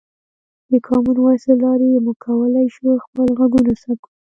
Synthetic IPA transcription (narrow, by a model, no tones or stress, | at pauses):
d̪əkʰɑmunwaselɑɾejemukʰawəlajʃuxpəlɣaɡunasaku